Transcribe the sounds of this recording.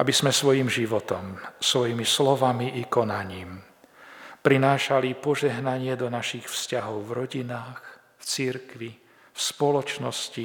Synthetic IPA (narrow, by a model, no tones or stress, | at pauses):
ʔabizmɛsʋɔjimʒiʋɔt̪ɔmsʋɔjimislɔʋamiʔikɔnaɲiːm | pɾinaːʃalipɔʒɛɦnaɲɪɛd̪ɔnaʃixfscaɦɔʊvɾɔɟinaːx | ft͡siɾkʋi | fspɔlɔt͡ʃnɔsci